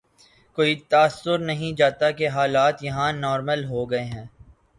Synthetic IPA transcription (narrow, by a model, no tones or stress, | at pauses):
koːit̪aːsːʊɾnɐɦĩd͡ʒaːt̪akeɦaːlaːt̪jɐɦãnɔːɾməlɦoɡɐeɦɛ̃ː